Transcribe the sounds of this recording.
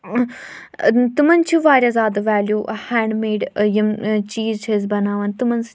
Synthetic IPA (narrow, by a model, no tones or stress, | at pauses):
t̪umɐnt͡ʃʰiʋaːɾʲɐzaːd̪ʋɛːljuːhɛ̃ːɳɖmeːɖjɐmt͡ʃiːzt͡ʃʰezbɐnaːʋɐnt̪umɐns